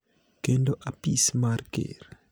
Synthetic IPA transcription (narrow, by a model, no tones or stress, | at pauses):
kendoʔapismaɾkḛɾ